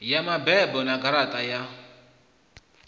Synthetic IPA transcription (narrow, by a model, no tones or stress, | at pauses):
jamabɛbɔnaɡaɾatʼaja